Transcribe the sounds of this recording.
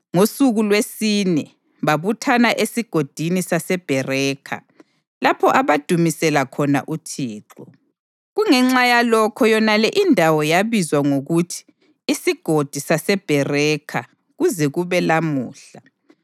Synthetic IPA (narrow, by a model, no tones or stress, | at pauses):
ŋosuɣulwesinɛ | βaβutʰanaʔesiɡ̥ʱod̥ʱinisasɛb̥ʱɛrɛːkʰa̰ | lapʰɔʔaβad̥ʱumisɛlakʰɔna̰ʔutʰiːǁɔ | ɣuŋɛŋ͡ǁajalɔkʰɔjɔnalɛʔindʱawɔjaβizwaŋoɣutʰi̥ː | siɡ̥ʱod̥ʱisasɛb̥ʱɛrɛkʰa | ɣuzɛɣuβɛlamṵːɬa